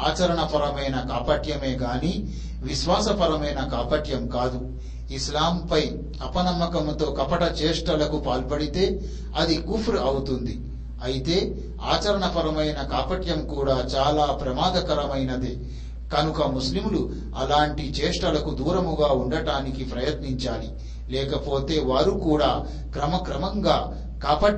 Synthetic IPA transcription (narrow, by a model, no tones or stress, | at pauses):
aːt͡ʃɐɾɐɳɐpɐɾɐmɐjnɐkaːpɐʈjɐme̞ːɡaːniː | ʋiʃʋaːsɐpɐɾɐmɐjnɐkaːpɐʈjɐmkaːd̪u | islaːmpɐj | ɐpɐnɐmːɐkɐmt̪o̞ːkɐpɐʈɐt͡ʃeːʂʈɐlɐkupaːlpɐɽit̪e̞ː | ɐd̪ikupʰɾɐwut̪und̪i | ɐjit̪e̞ː | a̰ːt͡ʃɐɾɐɳɐpɐɾɐmɐjnɐkaːpɐʈjɐmkuːɽaːt͡ʃaːlaːpɾɐmaːd̪ɐkɐɾɐmɐjnɐd̪e | kɐnukɐmuslimulu | ɐlaːɳʈit͡ʃeːʂʈɐlɐkud̪uːɾɐmuɡaːuɳɖɐɽaːnikipɾɐjɐt̪niɲt͡ʃaːli | lɛːkɐpo̞ːt̪e̞ːʋaːɾukuːɽaː | kɾɐmɐkɾɐmɐŋɡaː | kaːpɐ